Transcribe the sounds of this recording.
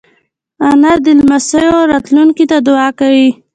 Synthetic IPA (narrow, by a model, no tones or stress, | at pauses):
anad̪ɪlmasəjoɾɑt̪luŋkit̪ad̪ʊɑkawi